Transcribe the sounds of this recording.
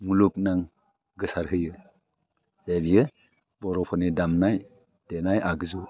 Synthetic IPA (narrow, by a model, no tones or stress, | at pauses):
mulup̚naŋ | ɡɯsaɾɦɯjɯ | zebijɯ | bɔɾɔpʰɔnidamnaj | d̥enajʔaɡɯzu